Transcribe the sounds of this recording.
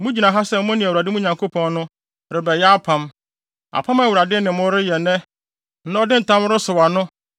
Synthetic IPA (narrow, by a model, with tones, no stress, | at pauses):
mũ˦d͡ʑi˨nã˨ɦa˦sɛ˦m˦mʊ̃˦nɪ̃˨wu˨ɾa˨dɪ˦mũ˦ɲã˨ŋkʰo˦pʰɔ̃˦n˦nʊ̃˦ | ɾɪ˨bɛ˨jɛ˦a˦pʰã˦m | a̰˨pʰã˦ma˨wu˨ɾa˨dɪ˦nɪ̃˨mʊ̃˦ɾɪ˦jɛ˨nɛ̃˦ | nã˦ɔ˦dɪ̃˦n̩˨tʰã˦m˦ɾɪ˦sʊ˨wa˨nʊ̃˦